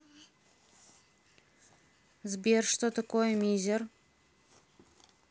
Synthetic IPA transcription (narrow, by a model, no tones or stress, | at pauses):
zbʲerʂt̪ot̪akojmizʲer